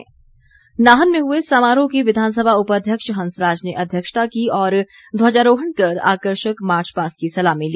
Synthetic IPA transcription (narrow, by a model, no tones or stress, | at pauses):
naːɦənmẽɦuesamaːɾõkiʋɪd̪ʱaːns̬əbʱaʊpaəːd̪ʱjəkʃɦɐ̃nsɾaːd͡ʒneʔɐd̪ʱjəkʃt̪akiɔːɾ | d̪ʱwaːd͡ʒaɾoːɦəɳkɐɾa̰ːkəɾʃəkmaːɾt͡ʃpaːskisɐlamẽliː